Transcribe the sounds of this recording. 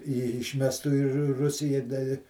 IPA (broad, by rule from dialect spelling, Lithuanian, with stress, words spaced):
ɪ ɪʃʲˈmʲæːstʊ ɪ rʊ ˈrʊsʲɪjɛ dɐ ɪ